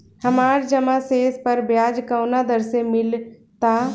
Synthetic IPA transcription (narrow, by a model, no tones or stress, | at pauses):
həmaːɾd͡ʒəmaseːspəɾbjaːd͡ʒkəwnad̪əɾsemɪlt̪a